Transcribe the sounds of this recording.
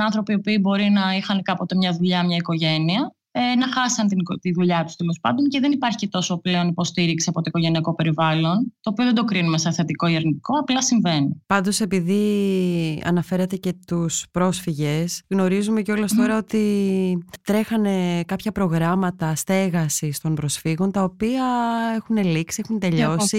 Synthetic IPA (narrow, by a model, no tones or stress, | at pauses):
ɐnθɾo̞piopiːbo̞ɾinɐixɐnkɐpot̪e̞mɲɐðuʎɐmɲɐiko̞ʝe̞niɐ | enɐxɐsɐnt̪it̪iðuʎɐt̪u̥st̪elo̞spɐnd̪onceðenipɐɾçicet̪o̞so̞pleo̞nipo̞st̪iɾiksisɐpo̞t̪oikoʝe̞niɐko̞pe̞ɾivɐlo̞nt̪o̞ːpio̞ðe̞d̪o̞kɾinumeseθet̪iko̞ieɾnit̪i̥ko̞ɐplɐsiɱvenipɐnd̪o̞se̞piði | ɐ̰nɐfe̞ɾɐt̪e̞ce̞t̪uspɾo̞sfiʝe̞sɣno̞ɾizume̞ceo̞lɐst̪o̞ɾɐo̞t̪i | t̪ɾe̞xɐne̞kɐpçɐpɾo̞ɣɾɐmɐt̪ɐst̪e̞ɣɐsist̪o̞mbɾo̞sfiɣo̞nt̪ɐopiɐe̞xune̞liksiexunt̪e̞ʎo̞si